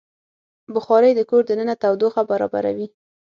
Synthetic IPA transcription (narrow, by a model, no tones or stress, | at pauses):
bʊxɑɾəjd̪əkoɾd̪ənənat̪awd̪oxabaɾɑ̰ba̰ɾa̰wi